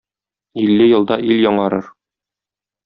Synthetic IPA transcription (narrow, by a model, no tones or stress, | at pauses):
ilːɘjɤ̆lˠd̪ɑʔiljɒɴɑɾɤɾ